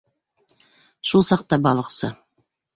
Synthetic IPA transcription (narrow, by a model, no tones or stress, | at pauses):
ʃulˠsɑq̚t̪ɑbɑlˠəqsɤ